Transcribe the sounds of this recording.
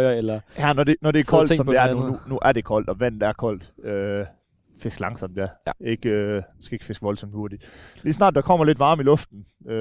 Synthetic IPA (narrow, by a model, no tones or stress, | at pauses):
ɐelɐjænɒd̥e̝nɒɾ̥e̝kʰɒl̰sɒ̽mpdeæɐnununuʔæɐɾ̥e̝kʰɒ̽l̰d̥ɒ̽ʋæn̰d̥æɐkʰɒ̽l̰d̥ø | fe̝sɡ̥lɑ̈ŋsɒ̽m̰d̥eæɐe̝ɡ̥øsɡ̥æe̝ɡ̥fe̝sɡ̥ʋɒ̽lsɒ̽mhuɐd̥iliːsnɑ̰̈ːd̥̚ːɑkʰɒ̽m̰ɐle̝d̥ʋɑ̈ːmilɔ̽fd̥n̩ | ø